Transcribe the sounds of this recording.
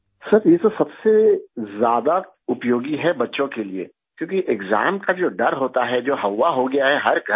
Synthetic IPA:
sɐɾjet̪osɐbsezjaːd̪a | ʊpjoːɡiɦɛbɐtːʃõkeliḛː | kjõːkiʔɪɡza̰ːmkad͡ʒoːɖɐɾɦoːt̪aɦɛd͡ʒoːɦɐwːaɦoɡɐjaɦɛɦɐɾɡʱɐ

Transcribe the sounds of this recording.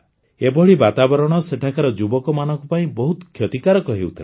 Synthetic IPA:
ebɔɭibat̪abɔɾɔɽ̃ɔseʈʰakaɾɔd͡ʒubɔkɔmanɔŋkupaĩbɔɦut̪kʰjɔt̪ikaɾɔkɔɦiwt̪ʰil

